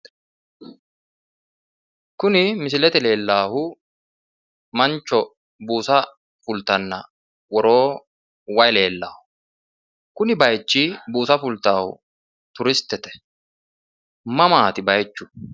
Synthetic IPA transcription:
kʊnɪmɪs̬ɪlɛt̪ɛle̞ːlːaːhʊ | mɐnt͡ʃːɔ | buːsɐ | fʊlt̪ɐnːɐ̰ | wɔɾo̞ː | wɐjle̞ːlːa̰ːhʊ̥ | kʊnɪbɐjt͡ʃːiːbuːsɐfʊlt̪aːhʊ̰ | t̪ʊɾɪst̪ːɛt̪ɛ̥ | mɐmaːt̪ɪbɐjt͡ʃːʊ̥

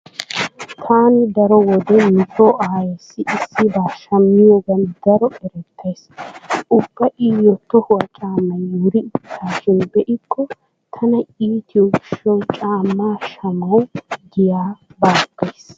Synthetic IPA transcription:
t̪ʰaːnɪd̪ɐɾɔwɔd̪ɛmʊt̪ːoːʔaːjɛsːɪʔɪsːɪbaːʃɐmːɪjɔɡɐnd̪ɐɾɔʔɛɾɛt̪ʰːɐjsʔʊb̥ːɐʔiːjɔt̪ːɔhʊwɐt͡ʃʼaːmːɐnjuːɾɪɪt̪ʰːaːʃɪnbɛʔɪkːɔ | t̪ʰɐnɐiːt̪ʰɪɔɡɪʃɔwt͡ʃʼaːmːaːʃɐmɐwɡɪjaːbaːɡ̥ːɐjs

